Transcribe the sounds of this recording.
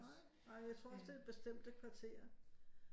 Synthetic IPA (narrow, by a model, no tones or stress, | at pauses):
ɑ̈ɪ̰jɑ̈ɪt͡sʰʁo̝ɐ̰ɒ̽sd̥e̝æ̥b̥e̝sd̥em̰d̥əkʰʋɑ̈t͡sʰe̝̰ːɐ